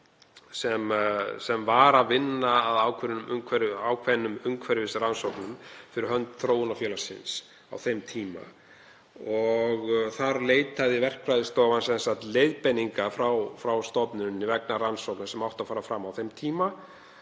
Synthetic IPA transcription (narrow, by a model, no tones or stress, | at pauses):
sɛmsɛmvaɾaðvɪnːaːðaːwkʰvɛɾnʏmʏmkʰvɛɾaːwkʰvɛnːʏmʏmkʰvɛɾɪvɪsɪransowknʏmfɪɾɪɾɦœnt̪θɾoːwʏnafjɛːlasɪ̰ns | a̰wθejmt̪ʰiːma̰ | ɔɣθaɾleːjt̪aðɪvɛr̥kʰvɾajðɪst̪ɔːvansɛnsaht̪leːjðpɛnːiŋkafɾawfɾawst̪ɔpnʏnːɪvɛknaɾransowknsɛmawht̪afaːɾafɾamːawθejmt̪ʰiːma